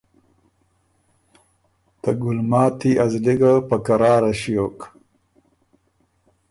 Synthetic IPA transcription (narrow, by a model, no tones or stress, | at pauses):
t̪ɐɡʊlmɑːt̪iazliɡapakaɾɑːɾaɕijoːk